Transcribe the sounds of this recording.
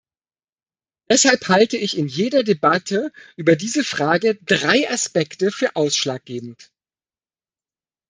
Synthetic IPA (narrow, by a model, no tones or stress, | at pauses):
d̥ɛshalphaltəɪçɪnjeːdɐdebatʰəʔyːbɐdiːzəfʁ̥aːɡədʁaɪʔaspɛktəfyːɐʔaʊsʃlaːk̚ɡ̥eːbm̩t